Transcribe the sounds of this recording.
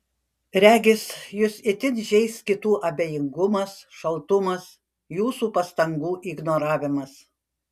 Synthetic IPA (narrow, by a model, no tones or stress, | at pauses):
ɾʲæːɡʲɪsjʊsɪt̪ʲɪnʲʒʲɛɪskʲɪt̪uːʔɐbʲeːjɪŋɡʊmɐsʃɐlˠt̪ʊmɐs | juːsuːpɐst̪ɐŋɡuːʔiɡnoːɾɑːʋʲɪmɐs